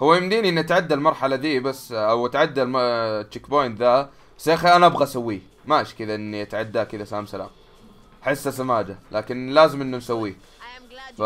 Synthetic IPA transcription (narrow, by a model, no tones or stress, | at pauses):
hʊwːajmɪmd̪iːniʔɪnːʔat̪ʕad̪ːalmɑɾˤħalad̪iːbasːʔawat̪ʕad̪ːalmt͡ʃːɪkboːjnða | basaːxiʔanaʔabɣasawːiː | maʔʃkɪd̪aʔɪnːiʔat̪ʕad̪ːaːkɪd̪asaːmsala̰ːm | ħɪsːasamaːd͡ʒalaːkɪnlaːzɪmʔɪnːunsawːiː | fa